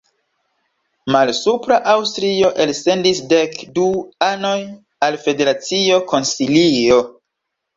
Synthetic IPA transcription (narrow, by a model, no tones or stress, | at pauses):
malsupɾaʔawstɾio̞ʔelse̞ndisde̞kduano̞j | alfe̞de̞ɾat͡sio̞ko̞nsilio̞